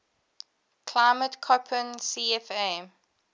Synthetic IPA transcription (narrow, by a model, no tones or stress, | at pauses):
kʰlaɪmətkʰɔpʰə̃nsiɛfɛ̃m